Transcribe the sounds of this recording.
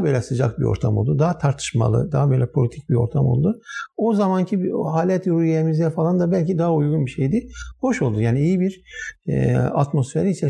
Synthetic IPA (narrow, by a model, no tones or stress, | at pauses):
bø̞ːlʲɛsɯd͡ʒa̰k̚bḭo̞̰ɾt̪ʰamo̞lˠd̪ud̪aat̪ʰaɾt̪ʰɯ̥ʃma̰lˠɯ̰d̪aɦabø̞jlʲɛpʰo̞lʲit̪ʰic̚bio̞̰ɾt̪ʰamo̞̰lˠd̪uozamancʰihaːlʲɛt̪ɾujeemizd̪ɛfalˠand̪abælʲcid̪aɦaujɡunbiʃejd̪ɪho̞ʃo̞lˠd̪ujaːniijibiɾ̰ | a̰t̪mo̞sfeɾiisɛ